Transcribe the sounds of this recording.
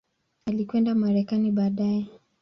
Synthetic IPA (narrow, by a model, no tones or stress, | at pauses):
alikwɛndamaɾɛkaniɓaːɗaɛ